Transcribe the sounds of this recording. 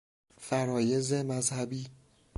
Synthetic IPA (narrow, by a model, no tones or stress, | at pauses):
fæɾɒːjezemæzhæbiː